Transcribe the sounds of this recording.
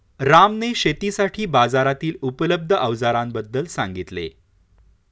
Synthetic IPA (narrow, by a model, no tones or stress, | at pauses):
ɾamneɕet̪isaʈʰiːbad͡zaɾat̪iːlupələb̚d̪ʱəʔəʋd͡zaɾambəd̪ːəlsãŋɡit̪lḛ